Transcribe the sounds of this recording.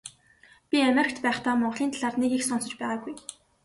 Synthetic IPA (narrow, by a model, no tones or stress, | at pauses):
pʲiamʲeɾʲɪ̆kʲt̪pæːχt̪aːmɔɴɢɮiːnt̪aɮaːrnekixsɔnsɞ̆t͡ɕpæːʁaːɡuj